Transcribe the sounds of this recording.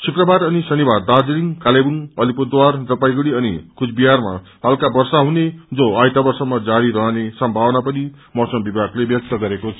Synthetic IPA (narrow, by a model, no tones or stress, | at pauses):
sʰukrʌbaɾʌnisʌnibard̪ad͡ziliŋkalebuŋʌlipud̪ward̪ʌpajɡuɽiʌnikʰut͡sʰbiɦarma̰ | balkabʌrsaɦuned͡zoajt̪abʌrsʌmːʌd͡zaɾiɾʌɦnesʌmbʱawnapʌni | mʌsʌmbibʱaɡlebjʌk̚t̪ʌɡʌɾekot͡sʰ